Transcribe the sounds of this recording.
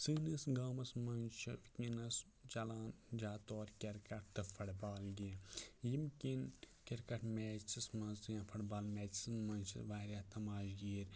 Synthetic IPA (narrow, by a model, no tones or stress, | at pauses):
sɨːnɨsɡaːmɐsmɐnt͡ʃɐʋkʲinɐs | t͡ʃɐlaːnd͡ʒaːt̪oːɾʲkʲɐɾkɐʈ̚t̪ɨfɐɽbaːlɡʲijimkʲin | kʲɐɾkɐʈmeːt͡ʃismɐnsjãːfʰɐɽbaːlmɛːismɐnʲt͡ʃʰḭʋaːɾʲaːt̪ɐmaːʃɡiːɾʲ